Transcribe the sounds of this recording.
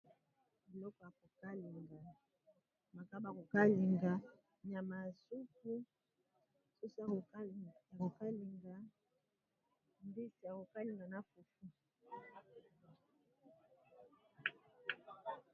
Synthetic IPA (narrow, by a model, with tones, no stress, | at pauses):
e˨lɔ˦kɔ˨ja˨ko˨ka˦li˨ŋɡa˨ | ma˨ka˦ba˨ko˨ka˦li˨ŋɡa˨ | na˨ma˨su˦ku˦ | su˦sa˨ko˨˦ja˨ko˨ka˦li˨ŋɡa˨ | mbi˦si˨ja˨ko˨ka˦li˨ŋɡa˨na˦fu˨fu˦